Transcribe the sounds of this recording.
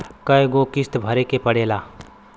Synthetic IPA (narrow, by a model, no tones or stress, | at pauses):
kɐjɡokɪst̪bʱɐɾekepɐɽeːlaː